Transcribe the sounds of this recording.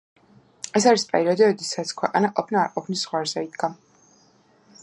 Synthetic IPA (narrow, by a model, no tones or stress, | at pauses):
ɛsaɾispʼɛɾiɔd̪iɔd̪ɛsat̪sʰkʰwɛqʼanaʔɔpʰnaːɾqʼɔpʰnisːʁwaɾzɛid̪ɡa